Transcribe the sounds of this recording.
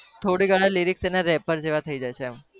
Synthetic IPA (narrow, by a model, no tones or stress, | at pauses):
t̪ʰoɽiɡəɭaliɾikst̪enaɾɛpəɾd͡ʒeʋat̪ʰəid͡ʒajt͡ʃʰem